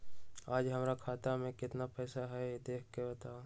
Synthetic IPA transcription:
aːd͡ʒɦɐmɾakʰaːt̪amẽkɪt̪napɛːsaɦɛjed̪eːkʰkebɐt̪aːo

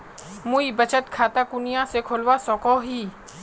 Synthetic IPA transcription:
muibət͡ʃət̪kʰaːt̪akʊnɪjãsekʰoːlwasɔ̃ːkoɦi

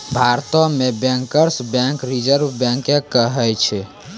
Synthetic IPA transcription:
bʱaɾt̪ɔmebɛ̃ŋkəɾsbɛ̃ŋkɾid͡ʒəɾbbɛ̃ŋkekːəɦɛt͡ʃʰɛ

